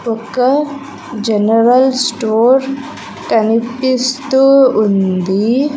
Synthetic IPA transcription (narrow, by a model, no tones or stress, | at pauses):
okːɐ | d͡ʒenɐɾɐlsʈoːɾ | kɐnipːist̪uːnd̪i